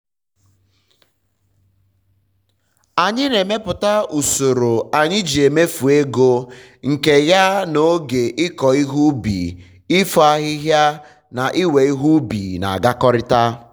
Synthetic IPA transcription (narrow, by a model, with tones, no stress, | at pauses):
a˨ɲɪ˦ne˨me˦pʊ˨ta˦u˨so˨ɾo˨a˨ɲɪ˦d͡ʒi˨e˨me˦fu˨e˦ɡo˦ | ŋ̩˨ke˨ja˦no˦ɡe˨ʔɪ˦kɔ˨i˦ɦu˦bḭ˨ | ɪ˦fɔ˨˦a˦ɣɪ˦ɦja˦ | na˨ʔɪ˦we˨i˦ɦu˦bḭ˨na̰˨a̰˨ɡa˦kɔ˦ɾɪ˦ta˦